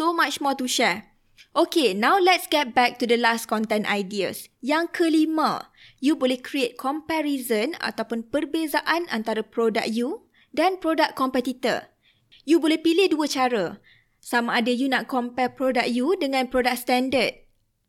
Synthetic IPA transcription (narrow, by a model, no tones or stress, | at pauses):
somat͡ʃmɔt̪uʃɛ | ʔokenãwlɛt̚sɡɛt̪̚bɛk̚tudəlaskɔ̃nt̪ɛnajdiə̰sjaŋkʰəlimã̰ | jubolɛhkɾiet̪̚kʰɔmpɛɾizəna̰t̪awpʊnpərbezaʔana̰nt̪aɾapɾoda̰k̚ju | danpɾodakʰːɔmpɛt̪it̪ə̰r | jubolɛhpilɪhduət͡ʃaɾə | samãːdajunaʔkɔmpɛpɾodak̚judəŋãnpɾodak̚st̪ɛ̃ndəd̚